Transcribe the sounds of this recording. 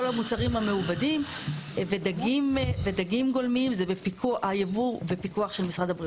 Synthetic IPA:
olamut͡saʁimhame̞ubadimvedaɡimvedaɡimɡo̞lmiimzebepikuʔajevube̞pikuaχʃe̞lmisʁadhabʁi

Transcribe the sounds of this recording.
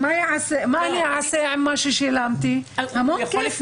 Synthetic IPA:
majaʕasemaʔaniaʕaseʕɪmːaʃeʃilamt̪ihamoːkːf

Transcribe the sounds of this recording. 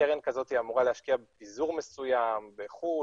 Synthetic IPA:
eʁenkazo̞t̪iamuʁalehaʃkiabepizuʁmesujambeχu

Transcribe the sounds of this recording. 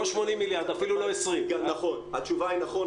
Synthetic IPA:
oʃmo̞nimːiljaʁd̪afiluloesʁimnaχonhatt͡ʃuvainaχo

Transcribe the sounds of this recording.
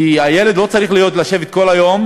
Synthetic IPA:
iajele̞d̪lo̞t͡saʁiχlijo̞t̪laʃe̞vet̪̚ko̞lajo̞m

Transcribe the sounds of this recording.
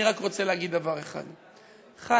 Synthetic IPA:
iʁakʁot͡seleaɡid̪ːavaʁeχa̰d̪ | χa

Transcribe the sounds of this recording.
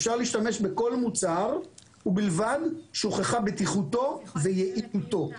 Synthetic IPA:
fʃaʁliːʃt̪ame̞ʃbe̞ko̞lmut͡saʁ | ubilvad̪ʃoχeχabet̪iχuto̞vejeʔiut̪o̞

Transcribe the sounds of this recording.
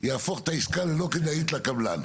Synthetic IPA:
jaːfoχt̪aiskalelo̞kid̪ajit̪lakabla̰n

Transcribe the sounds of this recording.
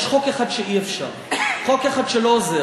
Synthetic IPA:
ʃχokeχad̪ʃeʔiefʃa̰ʁχokeχad̪ʃelooze

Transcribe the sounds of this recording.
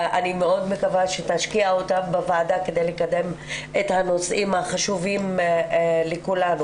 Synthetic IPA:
ʔanimeo̞dme̞kavaʃetaʃkiaotambavaːdaked̪ejlekade̞m | ethano̞sʔimhaχaʃuvim | lekulanu

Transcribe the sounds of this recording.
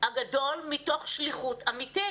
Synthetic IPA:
haɡado̞lmito̞χʃliχutamiti

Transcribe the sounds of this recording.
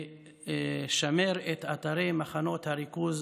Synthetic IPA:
ʃameɾet̪at̪aɾejmaχano̞t̪haɾikuz

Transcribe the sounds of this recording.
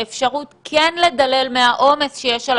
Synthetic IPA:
efʃaʁutkʰenle̞dale̞lmehaʔo̞me̞sʃejɛʃal

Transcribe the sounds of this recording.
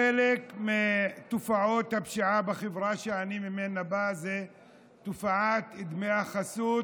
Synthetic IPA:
elekmet̪ufaʕot̪habʃiʕabexevʁaʃeanimimenabaze | t̪ufaʕat̪id̪meaχasut̪

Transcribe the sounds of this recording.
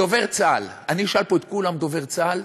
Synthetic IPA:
ove̞ʁt͡salaniʃalpoet̪̚kulamd̪ove̞ʁt͡sal

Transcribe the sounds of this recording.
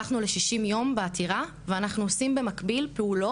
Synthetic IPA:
aχnule̞ʃiʃimjo̞mbeatʰiʁa | veanaχnuosimbe̞makbilpeulo̞

